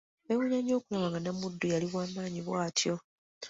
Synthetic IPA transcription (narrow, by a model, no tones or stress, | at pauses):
ewuɲaɲo̞ːkulamaŋɡanamudːujaliβwaːmaːɲiβwaːtʰjo̞